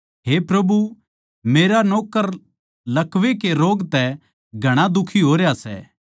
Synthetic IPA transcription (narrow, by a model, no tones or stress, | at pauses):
ɦeːpɾɐbu | meːɾanɔːkəɾ | lɐkʋekeɾoːɡt̪ɛ | ɡʱɐɽ̃ad̪ʊkʰiɦoːɾejasɛ̰ː